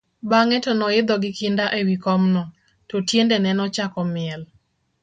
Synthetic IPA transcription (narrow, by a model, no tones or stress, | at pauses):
baŋɛtɔnɔɪd̪ɔɡɪkɪndaʔewikɔmnɔ | tɔtjendɛnɛnɔt͡ʃakɔmɪɛl